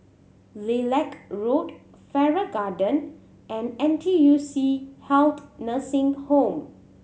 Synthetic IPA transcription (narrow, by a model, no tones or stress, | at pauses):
lelɛkɹot | fɛɹəɡadə̃n | ʔɛ̃nɛ̃ntʰijusihɛlt̪nəsɪ̃ŋhõm